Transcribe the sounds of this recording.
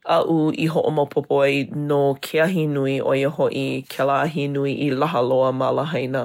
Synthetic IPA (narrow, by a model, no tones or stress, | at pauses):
ʔɐʔuiɦoʔo̰mopʰopʰoɐjnokʰeɐɦinuiʔo̰jəhoʔikʰɛlaɐɦinuiʔilɐɦɐloəmɐlɐɦɐjnə